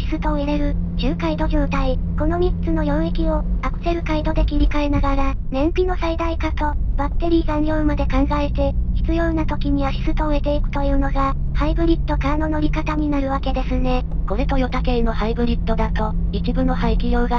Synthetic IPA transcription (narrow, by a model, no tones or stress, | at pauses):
çi̥sɨt̪o̞eɾe̞ɾɯ̟d͡ʑɨːkaid̪o̞ʑʲoːt̪aiko̞no̞mʲit͡sɨno̞jo̞ːekʲio̞akɯ̟̥se̞ɾɯ̟kaid̪o̞d̪e̞kʲiɾʲikae̞naɡaɾa | nẽ̞mpʲino̞said̪aikat̪o̞bakt̪ːe̞ɾʲiːɡãnjʲo̞ːɯmad̪e̞kãŋɡae̞t̪e̞çi̥t͡sɨjo̞ːnat̪o̞kʲiɲ̟iβaçi̥sɨt̪o̞ɯ̟e̞t̪e̞ikɯ̟̥t̪o̞jɯ̟ːno̞ɡa | haibɯ̟ɾʲit̪ːo̞kaːno̞no̞ɾʲikat̪aɲ̟inaɾɯ̟βake̞d̪e̞sɨne̞ko̞ɾe̞t̪o̞jo̞t̪ake̞no̞haibɯ̟ɾʲit̪ːo̞d̪at̪o̞it͡ɕibɯ̟no̞haikʲijo̞ːɡa